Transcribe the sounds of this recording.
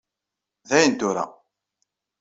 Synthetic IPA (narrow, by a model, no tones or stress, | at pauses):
ðæjənt̪ʊɾa̰